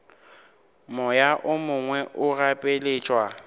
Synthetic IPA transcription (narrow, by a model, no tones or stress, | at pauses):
mɔjaʔʊmʊŋwɛʔʊrapʼeleːt͡ʃʼwa